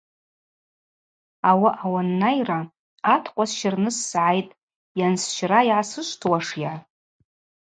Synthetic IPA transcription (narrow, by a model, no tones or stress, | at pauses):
awaʔawanːajra | atʰqʷʼasʃɪrnɨsːʕajtʼ | jansʃrajʕasɨʃʷtʰwaʂja